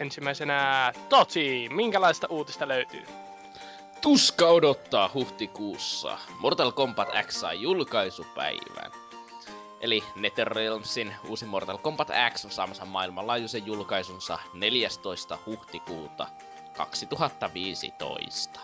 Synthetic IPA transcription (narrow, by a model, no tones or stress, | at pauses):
ensimːæisenæt̪ot̪imiŋkælɑist̪ɑʔuːt̪ist̪ɑløyt̪y̰ː | t̪uskɑodot̪ːɑːhuht̪ikuːsːɑ̰mort̪ɑlkompɑt̪æ̰ksːɑ̰ːjulkɑisupæ̰iʋæ̰n | ʔelinet̪erːelmsinuːsimort̪ɑlkompɑt̪æ̰ksonsɑ̰ːmɑsɑmːɑilmɑlɑːjusejjulkɑisunsɑ̰neljæst̪o̞ist̪ɑhuht̪ikuːt̪ɑ̰ | kɑ̰ksit̪uɦɑt̪ːɑʋiːsḭt̪o̰ist̪ɑ̥